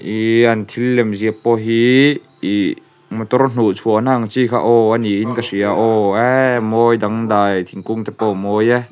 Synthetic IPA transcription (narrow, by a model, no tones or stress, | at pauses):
ʔiant̪ʰilːɛmziəpːɔɦi | i | mɔt̪ɔrn̥ut͡sʰuəʔnaŋt͡sikʰa̰ʔɔaniʔinkasiaʔɔɛmɔjdaŋd̪ajt̪ʰiŋkuŋt̪ɛpɔmɔjɛ